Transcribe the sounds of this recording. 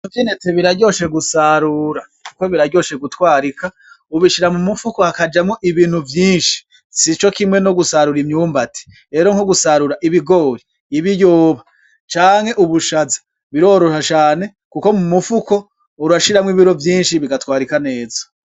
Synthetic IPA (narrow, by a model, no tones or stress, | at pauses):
nuvjineteβiɾaɟo̞ːʃe̞ɡusaɾuːɾa | kuko̞βiɾaɾɟo̞ːʃe̞ɡutwaːɾika | uβiʃiɾamumufuko̞hakad͡ʒamŋoʔiβiːn̥huvjiːnʃi̥ | sit͡ʃo̞kimŋe̞no̞ɡusaɾuɾimɲuːmbati̥ | ɾe̞ːɾo̞ŋhoɡusaɾuɾaʔiβiɡo̞ːɾiː | βijoːβa | t͡ʃaːŋhe̞ʔuβuʃazḁ | βiɾo̞ːɾoʃat͡ʃaːne̞ | kuko̞mumufuko̞ | uɾaʃiɾamwiβiɾo̞vjiːnʃiβiɡatwaːɾikane̞ːzo̥